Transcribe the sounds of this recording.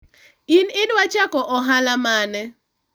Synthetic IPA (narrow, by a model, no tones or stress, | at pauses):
inɪdwat͡ʃakɔʔɔɦalamanɛ